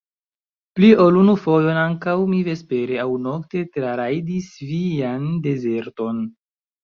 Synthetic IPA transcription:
pliolunufo̞jo̞naŋkawmive̞spe̞ɾeawno̞kte̞tɾaɾajdisviande̞ze̞ɾto̞n

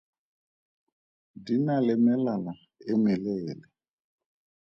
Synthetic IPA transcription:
dinalɛmɛlala | eŋɛleːlɛ

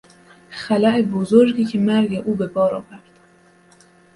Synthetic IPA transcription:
xælæʔebozoɾɡiːcʰemæɾɡeʔuːbebɒːɾɒ̰ːvæɾd̪̥

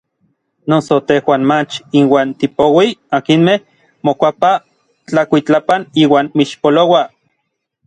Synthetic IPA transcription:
nosot̪ehwaːnmat͡ʃinwaːnt̪ipowiakinmeh | mokʷapa | t͡ɬakʷit͡ɬapaniːwaːnmiʃpolowa

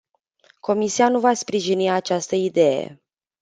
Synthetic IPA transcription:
ko̞misianuvaspɾiʒiniat͡ʃast̪əid̪e̞jḛ

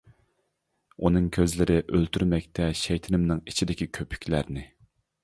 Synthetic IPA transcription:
unɨŋkʲʰøzlɪɾɪʔølt̪ʰyɾmɛkʲt̪ʰɛʃɛjt̪ʰɪnɪmnɨŋit͡ʃʰid̪ɪkʲikʲʰøpʰy̥kʲlæɾnɪ

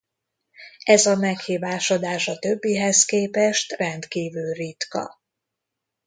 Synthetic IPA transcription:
ɛzɒmɛkhiːvaːʃo̞d̪aːʃɒt̪øbːiɦɛzkeːpɛʃt̪rɛnt̪kiːvylrit̪kɒ̰

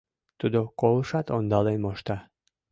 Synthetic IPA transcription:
t̪ud̪okoləʃɑt̪ond̪ɑlenmoʃt̪ɑ

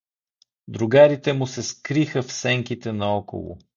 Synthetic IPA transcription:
d̪ɾʊɡaɾit̪ɛmʊsɛskɾixəfsɛŋkit̪ɛnɐɔko̰lˠʊ̰

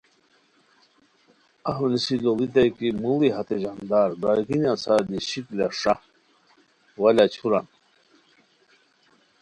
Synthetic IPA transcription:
aɦunisilolit̪ajkimuliɦat̪eʑand̪aːɾbaɡinãsaɾd̪iɕiklaʂa | wɐlat͡ɕʰuɾan

